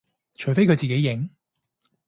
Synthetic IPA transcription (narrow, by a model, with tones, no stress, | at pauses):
t͡ʃʰɵ˨˩ɥfe˥jkʰɵ˨˧jt͡siː˨˩ke˨˥jɪ˨˥ŋ